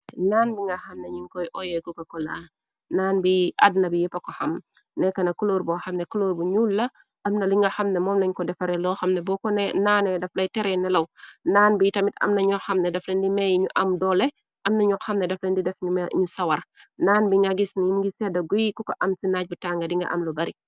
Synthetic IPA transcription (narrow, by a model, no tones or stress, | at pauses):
naːnbiŋɡɐxɐmnɛɲiŋkɔjʔɔjɛkukɐkɔla | naːnbiʔadnɐbijɛpɐkɔxɐm | nɛkɐnɐkuloːɾbɔxɐmnɛkuloːɾbuɲuːlːɐ | ʔɐmnɐliŋɡɐxɐmnɛmɔːmlɐɲkɔdɛfɐɾɛlɔːxɐmnɛbɔːkɔnɛnaːnɛdɐflɐjtɛɾɛnɛlɐwnaːnbijtɐmitɐ̰mnɐɲɔkxɐmnɛdɐflɛndimɛjiɲuʔɐmdɔːlɛ | ʔɐmnɐɲɔkxɐmnɛdɐflɛndidɛfɲumɲusɐwɐrnaːnbiŋɡaɡisnijimɡisɛdɐɡujikukɐʔɐmsinac̚butaŋɡɐdiŋɡɐ̰ʔɐ̰mlɔbɐɾi